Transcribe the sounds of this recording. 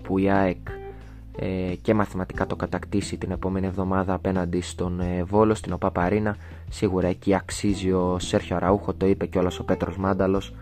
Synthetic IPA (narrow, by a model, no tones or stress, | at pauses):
puiɐek | ece̞mɐθimɐt̪i̥kɐt̪o̞kɐt̪ɐkt̪isit̪ine̞po̞me̞nie̞vðo̞mɐðɐːpe̞nɐnd̪ist̪o̞nvo̞lo̞st̪ino̞pɐpɐɾinɐ | siɣuɾɐe̞ciɐksizio̞se̞ɾçoɾɐuxo̞t̪o̞ipe̞ceo̞lɐso̞pe̞t̪ɾo̞zmɐnd̪ɐlo̞s